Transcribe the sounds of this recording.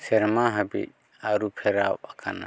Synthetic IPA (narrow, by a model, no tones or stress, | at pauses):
sɛɾmaɦabḭt̪̚ | aɾupʰɛɾawakʰana̰